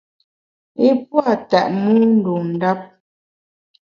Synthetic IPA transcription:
e˦pwa˦˨tɛ̰˨ʔnu˦n̩˦do˨n̩˨da˦p̚

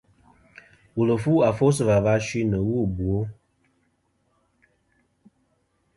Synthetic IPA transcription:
wu˨lə˨fu˦a˨fo˦s̬ə˨va˨va˦ʃwi˦nə˨wu˦˨bwo˦

